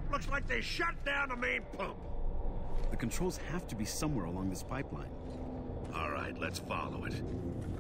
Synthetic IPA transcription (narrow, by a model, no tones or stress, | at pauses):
lʊkslaɪk̚ðeɪʃʌt̚d̥ãʊ̃nəmẽɪ̃npʰʌ̃p | ðɨkntʰɹ̥oʊlˠz̥hæftɨbisʌ̃mwɛɹəlɔ̃ŋðɪspʰaɪplã̰ɪ̃n | ɔlˠɹa̰ɪtˡlɨtsfɑ̰lˠo̰ʊɪ̰t̚